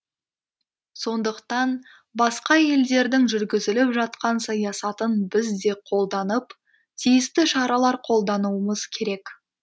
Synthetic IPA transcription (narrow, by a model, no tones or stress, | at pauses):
so̞nd̪əqt̪ɑn | bɑsqɑje̞ld̪e̞ɾd̪ɪŋʒʏɾɡʲɪzɪlɪpʒɑt̪qɑnsɑjɑsɑt̪ənbɪzd̪e̞qʰo̞lˠd̪ɑnəp | t̪ʰijɪst̪ɪʃɑɾɑlˠɑɾqʰo̞lˠd̪ɑnuəməz̥kʲʰe̞ɾe̞k